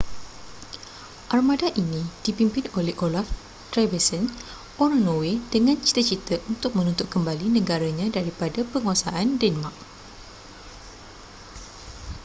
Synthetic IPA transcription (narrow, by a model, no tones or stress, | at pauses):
ʔarmadaʔinĩd̥ipimpɪnolɛhʔolaf | t̪ɾabɛsən | ʔoɾnowed̥əŋãnt͡ʃi̥t̪ət͡ʃit̪əʔunt̪ʊk̚mə̃nunt̪ʊt̚kəmbalinə̃ɡaɾaɲãdaɾipadapəŋuasaʔandɛnmak̚